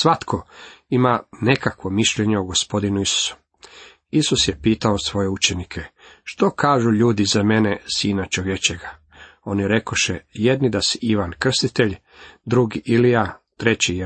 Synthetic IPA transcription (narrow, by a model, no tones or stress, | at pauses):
sʋat̪kʰo̞imane̞kakʋo̞miʃʎe̞ɲeoɡospo̞d̪inuisu̥su̥ | isusjepiːt̪aosʋo̞je̞ut͡ʃe̞nikʰeʃt̪o̞kʰaːʒuʎuːd̪izame̞nesiːnat͡ʃoʋje̞t͡ɕeɡa | o̞niɾe̞ko̞ʃejed̪nid̪asɛiʋankr̩st̪it̪eʎ | d̪ɾuɡiʔilijat̪ɾe̞t͡ɕij